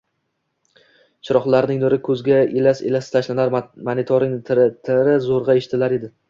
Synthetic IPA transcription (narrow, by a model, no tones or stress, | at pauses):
t͡ʃʰɪɾɒχlˠaɾnɪŋnʊɾɪkʰɵzɡʲaelaselast̪ʰaʃlanaɾmanɪt̪ʰoɾɪŋʰt̪ʰɪɾɪzoɾʁɑeʃt̪ʰɪlaɾe̞d̪ɪ